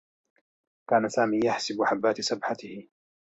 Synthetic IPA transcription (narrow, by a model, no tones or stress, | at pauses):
kaːnasaːmiːjaħsɪbʊħabːaːt̪sabħat̪ɪhɪ